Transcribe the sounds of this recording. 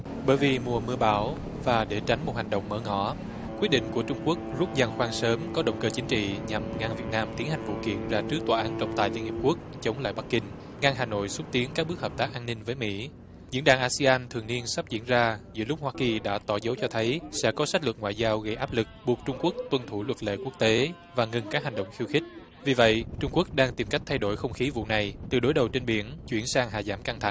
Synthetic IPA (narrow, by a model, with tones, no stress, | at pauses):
ɓəː˧˨˦jvi˨˩mu˨˩əmɨ˧əɓa̰ː˧˩w | vaː˨˩ɗe˧˩t͡ɕa˨˦ŋ̟mo˨˩t̚ha˨˩jŋ̟ɗə̰˧˨wŋ͡mməː˨˦ŋɔ˧˩ | kwi˦˥t̚ɗḭ˧˨ŋ̟ku˧˩ət͡ɕʊ˧ŋ͡mku˦˥ək̚zu˦˥t̚za˨˩ŋxwaː˧ŋsəː˨˦mkɔ˨˦ɗə̰˧˨wŋ͡mkəː˧˩t͡ɕï˨˦ŋ̟t͡ɕḭ˧˨ɲa˨˩mŋa˧ŋvi˨˩ət̚naː˧mt̪i˨˦ənha˨˩ŋ̟vṵ˧˨kḭ˧˩ənzaː˧t͡ɕɨ˦˥ək̚t̪waː˧˩ʔaː˨˦nt͡ɕɔ̰˧˨ŋ͡mt̪a̰ː˨˩jli˧ənhi˨˩əpku˦˥ək̚t͡ɕə˨˦wŋ͡mla̰ː˧˨jɓa˦˥k̚ːï˧ŋ̟ | ŋa˧ŋɦaː˨˩no̰˧˨jswt̚t̪i˨˦ənkaː˦˥k̚ɓɨ˦˥ək̚həː˨˩p̚t̪aː˦˥k̚ʔaː˧nːï˧ŋ̟vəː˨˦jmḭ˧˥ | zḭ˧˥ənɗa̰ː˧˩ŋʔaː˧si˧aː˧nt̪ʰɨ˨˩əŋni˧ənsa˦˥p̚zḭ˧˥ənzaː˧zɨ̰˧˥əlʊ˦˥k͡p̚hwaː˧ki˨˩ɗa̰ː˧˥t̪ɔ˧˩zə˨˦wt͡ɕɔ˧t̪ʰə˨˦jsɛ̰˧˥kɔ˨˦sa˦˥t̟̚lwə˨˩t̚ŋwa̰ː˧˨jzaː˧wɣə˧jʔaː˦˥p̚lɨ˨˩k̚ɓu˨˩ək̚t͡ɕʊ˧ŋ͡mku˦˥ək̚t̪wə˧˩nt̪ʰu˧˩lwə˨˩t̚lḛ˧˨ku˦˥ək̚t̪e˨˦ | vaː˨˩ŋə˨˩nkaː˦˥k̚ɦa˨˩ŋɗə̰˧˨wŋ͡mxi˧wxï˦˥k̟̚ | vi˨˩və̰˧˨jt͡ɕʊ˧ŋ͡mku˦˥ək̚ɗaː˧ŋt̪i˨˩mka˦˥k̟̚t̪ʰa˧jɗo˧˩jxə˧wŋ͡mxi˨˦vṵ˧˨na˨˩jt̪ɨ˨˩ɗo˨˦jɗə˨˩wt͡ɕe˧nɓi˨˩ənt͡ɕwḭ˧˩ənsaː˧ŋɦa̰ː˧˨˩zaː˧˩mka˧ŋt̪ʰa̰˨˩